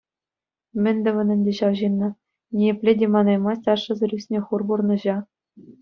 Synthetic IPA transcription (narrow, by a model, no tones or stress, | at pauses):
mʲɘ̆nʲd̪ʲɘ̆ʋɤ̆nʲɘ̆nʲdʲeɕɑʋʑinːɤ̆ | nʲejepʲlʲedʲemɑnɑjmɑsʲtʲɑʂːɤ̆zɘ̆rʲysʲnʲĕχurburnɤ̆ʑɑ